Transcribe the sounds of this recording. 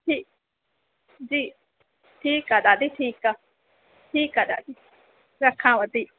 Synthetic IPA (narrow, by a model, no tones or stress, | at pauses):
t̪i | d͡ʒi | t̪ʰikad̪ad̪it̪ʰika | t̪ʰikad̪ad̪i | ɾakʰãβat̪i